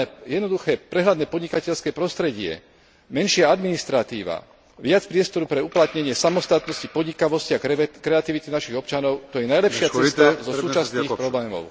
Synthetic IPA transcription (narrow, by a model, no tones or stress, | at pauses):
ɛjɛd̪nɔd̪uxɛːpɾɛɦlad̪nɛːpɔd̪ɲikacɛʎskɛːpɾɔst̪ɾɛɟɪɛ̰ | mɛnʃɪaad̪minist̪ɾat̪iːʋa̰ | ʋɪat͡spɾɪɛst̪ɔɾupɾɛuplat̪ɲɛɲɪɛsamɔst̪at̪nɔscipɔd̪ɲikaʋɔsciakɾɛat̪iʋit̪inaʃiɣɔpt͡ʃanɔʊt̪ɔjɛnajlɛpʃɪaɛt̪azɔsuːt͡ʃassniːxpɾɔblɛːmɔ̰ʊ